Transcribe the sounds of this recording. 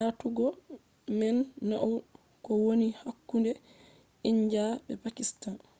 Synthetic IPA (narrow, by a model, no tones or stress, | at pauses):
atuɡɔ | mɛnːaʔw | kɔwonihakːundɛ | iɲd͡ʒabɛpakistan